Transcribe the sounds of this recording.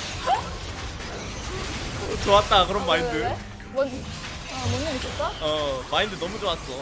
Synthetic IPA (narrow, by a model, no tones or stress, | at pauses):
t͡ɕoat̚t͈akɯɾʌnmaindɯe | mʌn | amʌnɯmit͡ɕ͈ʌs͈ʌʌmaindɯnʌmud͡ʑoas͈ʌ